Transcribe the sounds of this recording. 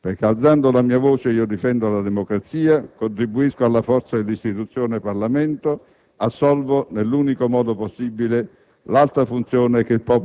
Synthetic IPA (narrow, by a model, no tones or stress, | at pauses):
perk̟eald̪and̪olamiːavoːt͡ʃeiːod̪ifɛnd̪oalad̪ɛmokɾat̪siːakont̪ɾibuiskoalːafɔrt̪sad̪elːist̪it̪ut̪sːjoːneparlamɛnt̪o | asːɔlvonelːuːnikomɔːd̪oposːibile | lalt̪ɾafunt̪sjɔːnek̟eilpɔːp